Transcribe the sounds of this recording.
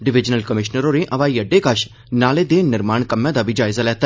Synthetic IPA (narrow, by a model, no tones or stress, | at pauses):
ɖɪʋɪd͡ʒnəlkəmɪʃnəɾoɾeʔɐʋaːijɐɖekəʃ | naːled̪enɪɾmaːɳkɐmjãd̪aʋid͡ʒaːɪzalɛːt̪ɛ